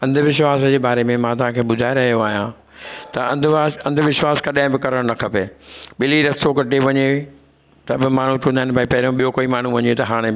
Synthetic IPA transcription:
ɐ̃nd̪ʊʋɪʃwaːsd͡ʑeːbaːɾemẽmãːt̪̬ɐʋ̤ɦãkʰeːɓʊd̪ʱaːeɾɐɦijoaːɦijã | t̪ɐɐ̃nd̪ɐ̃nd̪ʱʋɪʃwaːskɐɗãːɦɪ̃bɪkɐɾəɽ̃nɐkʰɐpeːɓɪliɾɐsokɐʈeʋɐɲe | t̪ɐbɪmaːɳ̤ũt͡ɕũːnd̪aːɪnɪbʱaːipɐɦɾijõɓijokoːimaːɳ̤ũʋɐɲet̪ɐɦaːɽ̃e

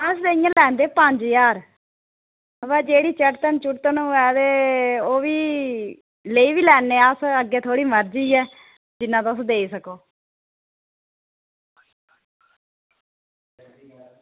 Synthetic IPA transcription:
əsd̪eːijãːlɛːnd̪eːpəɲd͡ʒjaːɾ | əʋɛːd͡ʒeːɽiːt͡ʃəʈt̪ənt͡ʃʊʈt̪ːnũːɛːt̪eːoːʋiː | ləiːʋiːlɛːnːeːsəɡeːt̪ʰoːɽiːməɾd͡ʒiːɛː | d͡ʒɪnːãːt̪oəsd̪eːiːsəkoː

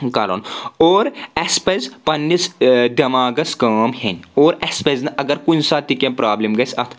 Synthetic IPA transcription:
kaːlo̰ːnoːɾɛspezpɐnːisd̪ɐmaːɡɐskɐːmhenoːɾɛspeznɐʔɐɡɐɾkʊnsat̪ikẽpɾaːblemɡɐsɐt̪ʰ

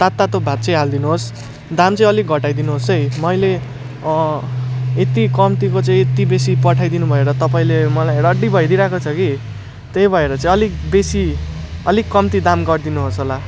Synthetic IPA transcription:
t̪at̪ːat̪obʱat̪̚t͡sʌ̃ĩɦald̪inuɦos | d̪amt͡sʌ̃ĩʌliɡʱʌʈajd̪inuɦosʌjmʌjle | et̪ikʌmt̪ikot͡sʌĩet̪ibesipʌʈʰajd̪inubʱʌeɾʌt̪ʌpaĩlemʌlajɽʌɖibʱʌjɾiɾakʰot͡sʰʌki | t̪ejbʱʌeɾʌt͡sʌ̃ĩʌlikbesiʌlikːʌmt̪id̪amɡʌrd̪inuɦosɦola

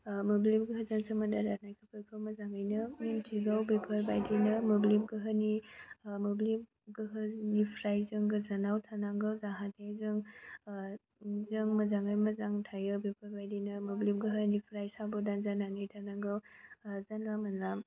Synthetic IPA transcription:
moblimɡɯɦɯzaŋsɯmɐndadat̚najkʰɯpʰɯjkʰɯwmɐzaŋajnɯmintʰiɡawbepʰɐɾbajdinɯmoblimɡɯɦɯnimoblim | ɡɯɦɯnipʰɾajzɯŋɡɯzanawtʰanaŋɡɯwzaɦatʰajzɯŋ | zɯŋmɐzaŋajmɐzaŋtʰajɯbepʰɐɾbajdinɐmoblimɡɯɦənipʰɾajsabodanzananɯjtʰanaŋɡɯwzanlamɐnlam

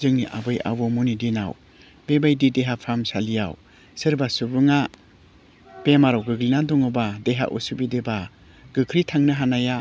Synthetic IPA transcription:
zɯŋniʔa̰bɯja̰bomunidina̰w | bebajdideɦapʰamsalija̰w | sɯɾbasubɯŋa | pemaɾawɡɯɡlinadɔŋɯbadeɦa̰ʔṵsubideba | ɡ̥ɯkʰɾitʰaŋnɯɦanaja

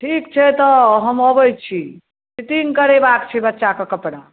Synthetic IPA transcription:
ʈʰikt͡ʃʰɛt̪ɔɦəməbəjt͡ʃʰi | t͡ʃiʈ̪iŋɡkəɾebakt͡ʃʰɛbətːʃakekəpɽa

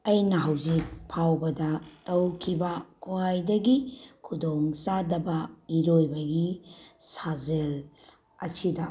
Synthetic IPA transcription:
ɐjnɐɦɐwzik̚pʰawbɐdɐtɐwkʰibɐkʰoajdɐɡikʰudoŋt͡ʃadɐbɐiɾojbɐɡisazel | ɐsidɐ

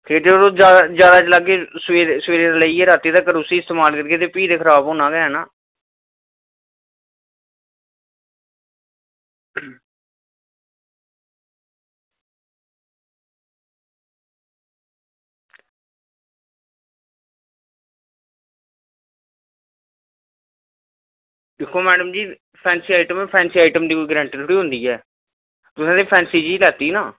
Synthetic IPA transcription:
k̪ʰeːʈ̪eːoɾod͡ʒaːd͡ʒjaːd̪aːt͡ʃlaɡːeːseːsʋeːɾeːɾaːləieːɾaːt̪iːd̪aːkəɾuːsiːɪst̪eːmaːlkəɾɡeːt̪eːpiːd̪eːkʰəɾaːbɦõːnaːɡɛɦɛːnaː | d̪ɪkʰːoːmɛːɖəmd͡ʒiː | pʰɛːnsiːaːɪʈəmɛːpʰɛːnsiːaːɪʈəmd̪iːkoiːɡɾɛ̃ːɳʈilʰʊɽiːɦʊ̃nd̪iːɛː | t̪ʊsãːd̪eiːpʰɛːnsiːd͡ʒiːlaːt̪iːnaː

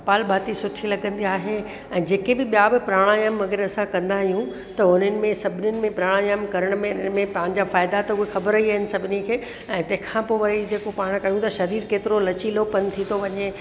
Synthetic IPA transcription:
paːlbaːt̪isʊʈʰilɐɡə̃nd̪iaːɦe | ɛ̃ːd͡ʑeːkebɪɓijabɪpɾaːɽ̃ajəmʋɐɡəɾɐsãkɐ̃nd̪aɦijũ | t̪ɐʊn̤ənɪ̆mẽsɐbʱɪnənɪ̆mẽpɾaːɽ̃ajəmkɐɾəɽ̃mẽmẽpã̆ːd͡ʑaːfaːɪd̪at̪ɐʊɦexɐbəɾiaːɦɪnɪ̆sɐbʱɪnikʰeː | ɛ̃ːt̪ɐ̃ɦɪ̃kʰãpoːʋɐid͡ʑeːkopaːɽ̃kɐjũt̪ɐʃɐɾiːɾkeːt̪ɪɾolɐt͡ɕilopɐnt̪ʰit̪ʰoʋɐɲe

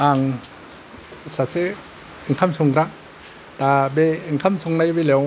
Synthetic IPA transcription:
ʔaŋ | sase | ŋkʰamsuŋɾaʔ | t̪abeŋkʰamsuŋnajbelew

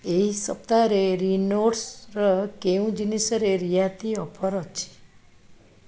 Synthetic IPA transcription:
eisəp̚t̪aɾeɾinoɖsɾəkeũd͡ʒinisəɾeɾijat̪ʰiɔpʰɔɾɔt͡ʃʰe̥

